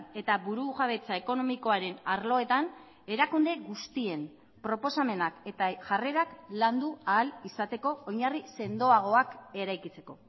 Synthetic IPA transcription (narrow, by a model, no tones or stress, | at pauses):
e̞t̪aβuɾuʝaβe̞t͡sae̞ko̞no̞miko̞aɾe̞naɾlo̞e̞t̪an | e̞ɾakund̪e̞ɣust̪ie̞m | pɾo̞po̞same̞nake̞t̪aʝare̞ɾakland̪uaːlisat̪e̞ko̞oɲarise̞nd̪o̞aɣ̞o̞ake̞ɾajkit͡se̞̥ko̞